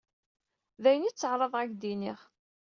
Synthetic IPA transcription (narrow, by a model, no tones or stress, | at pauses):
ðæjənit͡sːəʕɾˤɑðˤʁæɡd̪iniʁ